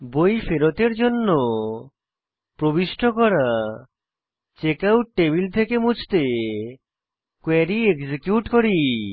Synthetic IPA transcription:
bojfeɾot̪eɾd͡ʑonːo | pɾobiʃʈʰokɔɾa | t͡ɕekawʈʈːebilt̪ʰekemut͡ɕʰt̪e | kwɛɾieɡsekjuʈkoɾi

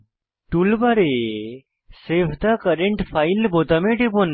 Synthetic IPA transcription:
ʈulbaɾe | sebʰʱd̪akəɾeɳʈpʰajlbot̪ameʈipon

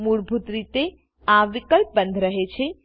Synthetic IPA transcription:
muɽbʱut̪ɾit̪e | ãʋɪkəlp̚bə̃nd̪ʱɾəɦet͡ʃʰe

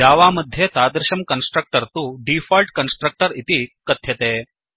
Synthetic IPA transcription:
aːʋaːmɐd̪ʱjet̪aːd̪ɾɪʃɐmkɐnsʈɾɐk̚ʈɐɾt̪uːɖiːfaːlʈkɐnsʈɾɐk̚ʈɐɾit̪ikɐt̪ʰjɐt̪eː

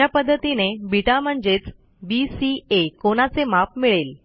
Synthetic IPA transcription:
apəd̪ʱːət̪inebʱiʈam̤əɳd͡zet͡s | bisiekoɽ̃at͡semap̚miɭel

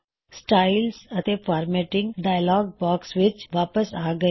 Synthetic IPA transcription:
sʈaːɪlsət̪eːfʰaːɾmeːʈɪ̃ŋɡɖaːjlɔːɡ̚baːksʋɪt͡ʃʋaːpəsaːɡə

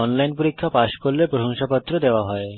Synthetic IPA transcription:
ɔnlajnpoɾikʰːapaʃkoɾlepɾoʃoŋʃapɔt̪ːɾod̪eoaɦɔe

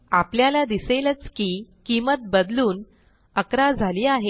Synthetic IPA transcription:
apljalad̪iselət͡skiːkimət̪̚bəd̪luːn | əkɾad͡zʱaliːaɦe

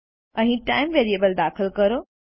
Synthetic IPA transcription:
ɐ̃ʈaːɪmʋeːɾieːbəld̪aːxɪlkɐɾoː

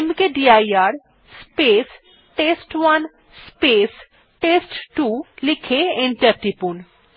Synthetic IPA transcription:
mkeɖiajaɾ | spes | ʈesʈwan | spes | ʈesʈʈulikʰeiɳʈɐɾʈipun

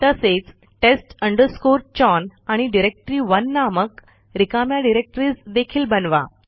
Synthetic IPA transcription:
t̪əset͡s | ʈesʈəɳɖəɾskoɾt͡ɕɔnaɽ̃iɖiɾek̚ʈɾiːʋənːamək | ɾikamjaɖiɾek̚ʈɾiːsd̪ekʰiːlbənʋa̰

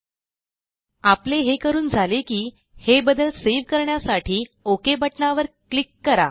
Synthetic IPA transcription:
apleɦekəɾuːnd͡zʱalekiː | hebəd̪əlseʋkəɾɳjasaʈʰiːokebəʈɳaʋəɾklikːəɾa̰

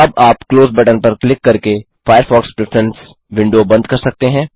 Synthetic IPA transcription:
ɐbaːpkloːzbɛːʈəɾpɐɾklɪkːɐɾke | faːjəɾfɔːkspɾɪfʰɾɛ̃ns | ʋɪ̃ɳɖobɐ̃nd̪kɐɾsɐk̚t̪eɦɛ̃ː

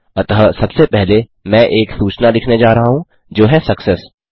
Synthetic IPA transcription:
ɐt̪ɦəsɐbsepɛɦle | mɛ̃ʔeːksuːt͡ʃnalɪkʰned͡ʒaːɾɐɦaɦũ | d͡ʒoːɦɛsɐksɛs

